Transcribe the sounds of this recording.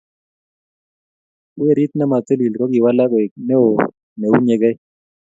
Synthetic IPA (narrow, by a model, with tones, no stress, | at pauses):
o˦e˨ɾi˦t̪na˦ma˨t̪e˦li˨lkɔ˦ki˨wa˦la˦kɔ˨e˨k̚nɛ˦o˨ | ne˨u˦ɲe˨ɡɛ˦j